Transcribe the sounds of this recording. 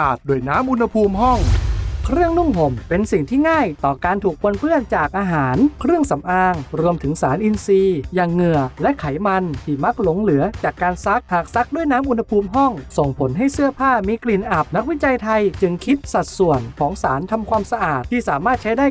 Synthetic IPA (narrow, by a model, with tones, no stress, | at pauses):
ʔaː˨˩t̪̚duː˧˩əjnaː˦˥mʔu˧nha˧pʰuː˧mhɔ˥˩ŋkʰɾɯ˥˩əŋnu˥˩ŋɦo˨˩mpe˧nsi˨˩ŋt̪ʰiː˥˩ŋaː˥˩jt̪ɔː˨˩kaː˧nt̪ʰuː˨˩k̚po˧npɯ˥˩ənt͡ɕaː˨˩k̚ʔaː˧ɦaː˩˦nkʰɾɯ˥˩əŋsa˩˦mʔaː˧ŋɾu˧əmt̪ʰɯ˩˦ŋsaː˩˦nʔi˧nsiː˧jaː˨˩ŋːɯ˨˩əlɛ˦˥kʰa˩˦jma˧nt̪ʰiː˧˩ma˦˥k̚lo˨˦ŋlɯ˩˦ɐt͡ɕaː˨˩kːaː˧nsa˦˥k̚haː˨˩k̚sa˦˥k̚du˥˩əjnaː˦˥mʔu˧nha˧pʰuː˧mɦɔ˥˩ŋso˨˩ŋpʰo˩˦nɦa˥˩jsɯ˥˩ɐpʰaː˥˩miː˧kli˨˩nʔa˨˩p̚na˦˥k̚wi˦˥t͡ɕa˧jt̪ʰa˧jt͡ɕɯ˧ŋkʰi˦˥t̪̚sa˨˩t̪̚su˨˩ənkʰɔː˩˦ŋsaː˩˦nt̪ʰa˧mkʰwaː˧msa˧ʔaː˨˩t̪ʰːiː˥˩saː˨˩˦maː˥˩t̪̚t͡ɕʰa˦˥jdaː˥˩